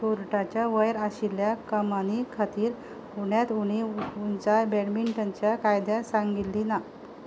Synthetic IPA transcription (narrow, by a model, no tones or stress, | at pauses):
puɾʈat͡ɕjaʋəjɾaɕiljakəmañikʰat̪iːɾ | uɳjat̪uɽ̃iunt͡ɕabɛɽmiɳʈʰənt͡ɕjakajd̪ʱjasaŋɡit̪lina